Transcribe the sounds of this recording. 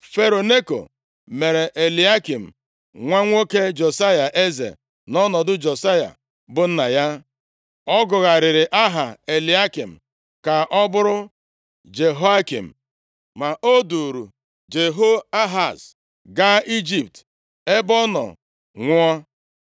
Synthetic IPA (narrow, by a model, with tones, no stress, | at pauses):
fe˨ɾo˨ne˦ko̰˨ | me˨ɾe˨ʔe˨li˨˦a˦ki˨m̩˨ | ŋʷa˦ŋʷo˦ke˦d͡ʒo˨sa˦ja˨ʔe˦zḛ˨ | nɔ˦nɔ˨dʊ˦d͡ʒo˨sa˦ja̰˨ | bʊ˨n̩˦na˨ja˦ | ɔ˦ɡʊ˨ɣa˨ɾɪ˨ɾɪ˨ʔa˦ɦa˨e˨li˨a˦ki˨m̩˨ | ka˨ʔɔ˦bʊ˦ɾʊ˦ | d͡ʒe˨ɦo˦a˦kḭ˨m̩˨ | ma˨ʔo˦du˨ɾu˨ | d͡ʒe˨ɦo˦a˦ɦa˨s | ɡa˦i˦d͡ʒi˨p̚t | e˦bɔ˦nɔ̰˨ | ŋʷʊ˦ɔ˦